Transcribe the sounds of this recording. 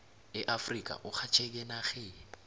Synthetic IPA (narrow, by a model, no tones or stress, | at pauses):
ɛʔafrikʼa̰ʔʊk͡xʰat͡ʃʰʼɛk̬ɛnaχɪː